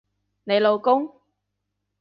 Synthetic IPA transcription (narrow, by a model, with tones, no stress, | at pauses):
ne˨˧jlo˨wkʊ˥ŋ